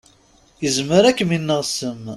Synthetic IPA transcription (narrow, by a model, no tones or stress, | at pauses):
jəzməɾækːminːəʁsəm